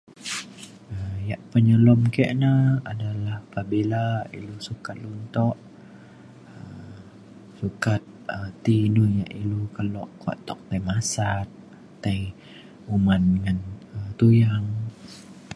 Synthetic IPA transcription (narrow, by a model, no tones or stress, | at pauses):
əjaʔpəɲəlɔmkəʔnaadalahpabelaḭlusukat̪̚lunt̪ɔʔ | ə | sukat̪̚ət̪ːinunjaʔilukəlɔʔkwa̰ʔt̪ɔk̚t̪ajmasat̪̚ː | aj | umanŋanət̪ujaŋ